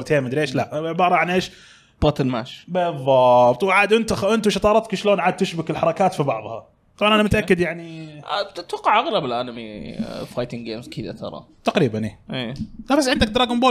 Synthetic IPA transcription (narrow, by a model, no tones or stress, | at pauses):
ɾt̪eːmɪd̪ɾeːʃlaʔʕɪbɑːɾˤɑʕanʔeːʃ | b̥ɑt̪ɪnma̰ːʃbɪðˤːɑbt̪ˤwʕaːd̪ʔɪnt̪axʔɪnt̪uʃɑt̪ˤɑːɾˤɑt̪kiʃloːnʕaːd̪̚t̪ɪʃbɪkɪlħɑɾˤɑkaːt̪fibɑʕðˤhɑ̰ | t̪ˤɑbʕɑnʔanamʊt̪aʔakːɪd̪jaʕnit̪ɪt̪wɑqːɑʕʔaɣlabɪlʔanɪmḭfajt̪ɪŋɡeːmzkʰɪd̪a̰t̪ʰɑ̰ɾˤɑ̰ | t̪aqɾiːbanʔeːʔeːlabasːʕɪnd̪ak̚d̪ɾˤɑːɡamboː